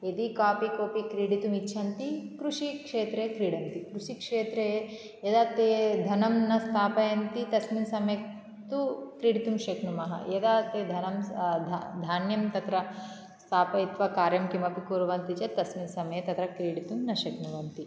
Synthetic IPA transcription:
ed̪ikaːpikoːpikɾiːɽit̪umitːʃʰɐnt̪ikɾuʂikʂeːt̪ɾeːkɾiːɽɐnt̪ikɾuʂikʂeːt̪ɾee | jɐd̪aːt̪eːd̪ʱɐnɐmnɐst̪ʰaːpɐjɐnt̪it̪ɐsminsɐmɐjɐ | t̪ukɾiːɽit̪umʃɐkɳumɐɦɐ̰jɐd̪aːt̪eːd̪ʱɐnɐmd̪ʱd̪ʱaːnjɐmt̪ɐt̪ɾɐ | st̪ʰaːpɐit̪ʋɐkaːɾjɐmkimɐpikuːɾʋɐnt̪it͡ʃɐt̪ɐsminsɐmɐjɐt̪ɐt̪ɾɐkɾiːɽit̪umnɐʃɐkɳuʋɐnt̪i

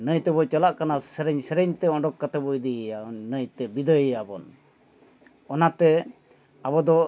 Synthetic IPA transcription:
nəjt̪ɛbɔt͡ʃɔlaʔkanasɛɾɛɲsɛɾɛɲt̪ɛɔɳɖɔkːat̪abujd̪ijanːəjt̪ɛbid̪əjjabɔn | ɔnat̪ɛ | abɔd̪ɔ

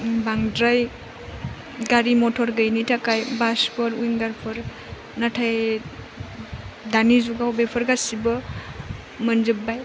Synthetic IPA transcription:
baŋdɾaj | ɡaɾimɔtʰɔɾɡəjnitʰakajbaspʰɔɾujŋɡaɾpʰɯɾ | natʰaj | danizuɡawbepʰɔɾɡasibɯ | mɯnzɯp̚ːaj

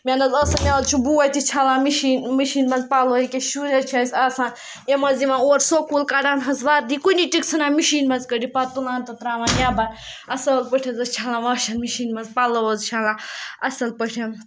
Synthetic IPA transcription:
mʲanɐzɐsɐnʲalt͡ʃʰubuwɐt̪it͡ʃʰalãːmiʃiːnmiʃiːnmɐzpaloːikʲeʃuɾet͡ʃʰasʲaːsãːn | jemɐziʋãnoːɾsokulkaɖaːnɦɐzʋaːɾd̪ikuniʈikt͡sʰɐnaːmiʃiːnmɐzkəɖipat̪ulãːnt̪ɐt̪ɾaːʋãːnjaːban | ɐsɐlpəʈʰɐzɐst͡ʃʰalãːʋɐːʃɐnmiʃiːnmɐzpalɐʋɐzt͡ʃʰalãːɐsɐlpəʈʰen

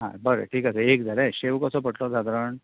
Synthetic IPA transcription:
ɦã̰bɐɾḛʈiːkasɐɾeːɡid̪aɾeʃeːʋukosɐpɐʈloːd̪aːd̪ɾɐɳ

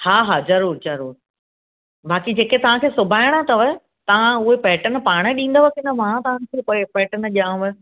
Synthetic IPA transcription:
haːɦaːzɐɾuːɾzɐɾuːɾ | bʱaːkid͡ʑeːket̪ɐʋ̤ãkʰeːsʊbʱaːɪɽ̃ət̪ɐʋəɦe | t̪ɐʋ̤ãʊɦepɛːʈən̆paːɽ̃əɗĩːnd̪oʋɐkɪnmãt̪ɐʋ̤ãɽkʰeːpɐpɛːʈənʄiaːũʋɐ

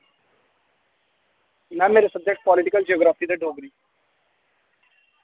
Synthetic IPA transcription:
nameːɾesəbd̪ʱjəkʂpɔːlɪʈikəld͡ʒiɔːɡɾaːfid̪eɖʱoːɡɾiː

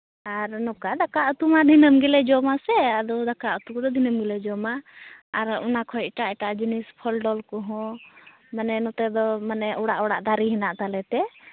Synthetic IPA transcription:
aɾnɔkad̪akaʔut̪umad̪ʱinəmɡɛlɛd͡ʒɔmasɛad̪ɔd̪akaʔut̪ukd̪ɔd̪ʱinəmɡɛlɛd͡ʒɔmaːɾɔnakʰɔʈaʔɛʈaʔd͡ʒunispʰəlɖɔlkɔɦɔ̃ | manɛnɔt̪ɛd̪ɔmanɛɔɽaʔɔɽa̰ʔd̪aɾiɦinaʔt̪alɛt̪ɛ

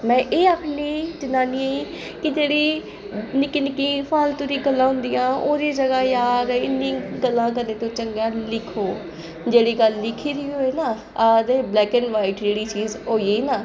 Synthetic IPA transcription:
mɛ̃ːʔeːapniːt͡ʃɪnaːnie | kɪd͡ʒeːɽiː | nɪkiːnɪkːiːpʰaːlt̪ʊɾiːɡəlːãːɦʊ̃nd̪ijãːoːɾiːd͡ʒəɡaːjaːɾɪnːĩːɡəlːãːk̬əd̪eːt̪õːt͡ʃəŋɡaːlɪkʰoː | d͡ʒeːɽiːɡəlːɪkʰiːɾiːɦoːeːnaː | adeːblɛːkɛnʋaːiʈd͡ʒeːɽiːt͡ʃiːzɦoːiːnaː

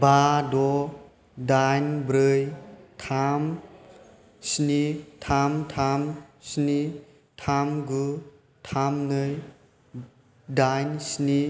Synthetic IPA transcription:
bʱadɔ | dajnbɾɯjtʰam | snitʰamtʰamsni | tʰamɡu | tʰamnɯj | dajnsni

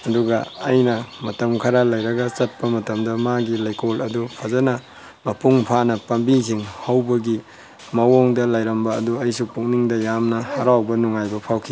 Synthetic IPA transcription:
ɐduɡɐːjnɐmɐtɐmkʰɐɾalɐjɾɐɡɐt͡ʃɐt̚pɐmɐtɐmdɐmaɡilɐjkolɐdupʰazɐnɐ | mɐpuŋpʰanɐpɐmbikʰiŋhɐwbɐɡi | mɐwoŋdɐlajɾɐmbɐːduɐjsupuŋniŋdɐjamnɐhɐɾawbɐnuŋajbɐpʰawkʰi

